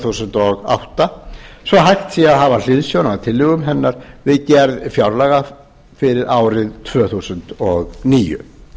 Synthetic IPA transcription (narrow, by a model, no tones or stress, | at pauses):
θusʏnt̪ɔɣa̰wht̪asvɔɦajxt̪θiaðɦavalɪðsjownat̪ʰɪlːʏɣʏmɦɛnːaɾ̥vɪðcɛɾðfjawɾlaɣa | fɪɾɪɾaːwɾɪðt̪ʰvœːθusʏnt̪ɔɣniːjʏ̰